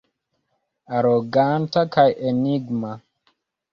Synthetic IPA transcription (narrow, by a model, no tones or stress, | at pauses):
aɾoɡantakajʔeniɡma